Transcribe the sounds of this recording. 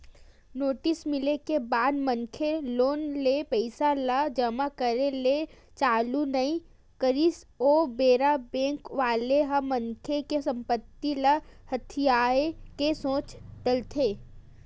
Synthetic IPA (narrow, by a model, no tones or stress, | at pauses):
noːʈɪsmɪlekebaːd̪məŋkʰeloːnlepəɪsaləd͡ʒəmakəɾele | t͡ʃaːlunaĩ | kəɾis | oːbeːɾabẽːŋkʋaːleɦəməŋkʰekesə̃mpət̪ːiləhɐt̪ʰijaːekesõːt͡ʃd̪əlt̪ʰeː